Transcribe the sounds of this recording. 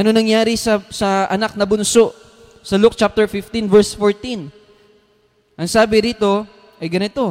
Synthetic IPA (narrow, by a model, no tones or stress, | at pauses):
ʔɐnonɐŋjaːɾɪsɐsɐʔɐnak̚nɐbʊnso̞ʔ | sɐluk̚t͡ʃap̚t̪ɛɹfɪft̪invɛɹsfoɹt̪in | ʔɐŋsaːbɪɾiːt̪o̞ | ʔɐjɡɐnɪt̪o̞